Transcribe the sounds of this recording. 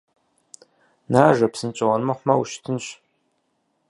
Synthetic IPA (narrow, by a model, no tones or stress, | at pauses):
naːʒɐpsɨnt͡ʃʼɐwɐrmɐχʷmɐwʃtʰɨnɕ